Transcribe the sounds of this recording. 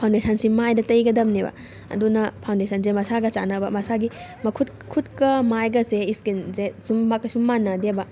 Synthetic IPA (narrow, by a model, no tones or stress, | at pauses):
pʰawndesʰɐnsimajdɐtɐjɡɐdɐmnebɐ̰ | ɐ̰dunɐpʰawndesʰɐnzemɐsaɡɐt͡ʃa̰nɐbɐmɐsaɡimɐkʰut | kʰut̚kɐmajɡɐseiskinzesumːakːɐsumːanɐdebɐ